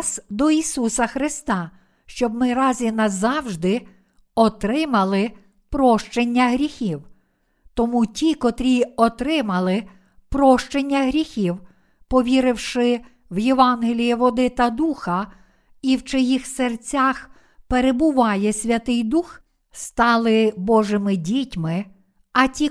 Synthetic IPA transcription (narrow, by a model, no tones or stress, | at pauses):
sd̪ɔisusɐxɾɪst̪ɑ | ʃt͡ʃɔbmɪɾɑzʲinɐzɑwʒd̪ɪ | ɔt̪ɾɪmɐlˠɪ | pɾɔʃt͡ʃenʲːɐɦɾʲixʲiw | t̪ɔmutʲikɔt̪ɾʲiɔt̪ɾɪmɐlˠɪ | pɾɔʃt͡ʃenʲːɐɦɾʲixʲiw | pɔʋʲiɾɪwʃɪ | wjeʋɑnɦɪlʲijiʋɔd̪ɪt̪ɐd̪uxɐ | iwt͡ʃɔjixsert͡sʲax | peɾebʊʋɑjɛsʲʋʲɐt̪ɪjd̪ux | st̪ɑlˠɪbɔʒɪmɪdʲitʲmɪ | ɐtʲi